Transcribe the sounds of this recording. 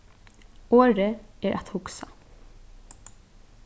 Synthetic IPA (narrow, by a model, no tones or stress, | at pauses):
oːɾəɛɹʔa̰t̪hʊksa